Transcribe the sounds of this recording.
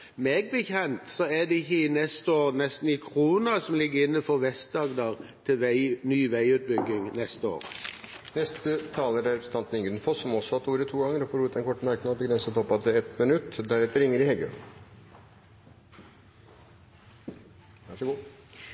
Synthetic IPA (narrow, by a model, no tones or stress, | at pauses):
meːɡ̚bəçɛnt̪sɔɛd̪ɛɪçinɛst̪əoːʁnɛst̪n̩ɪkʰʁuːnɑsɔmlɪɡːəɾɪnːəfɔʁʋɛst̪̚d̪ɑːɡd̪ɑʁt̪ʰɪʋnyːʋæɪʉːt̪̚bʏɡːɪŋnɛst̪əo̰ːʁ | nɛst̪ət̪ʰɑːləɾæɾst̪ɑnt̪n̩ɪŋɡəd̪nfɔsːɔmɔsːɔɑt̪uːɾət̪ʰuːɡɑŋːəɾɔfɔːɾuːt̪ɛnkʰɔʈːəmɑɾknɑbəɡɾɛnsət̪ʰɔpːɑt̪ɾəɛt̪mənʉt̪ːd̪æɾɛt̪ːəɾɪŋːəɾɪhɛɡə̰n | ʋæʂəɡu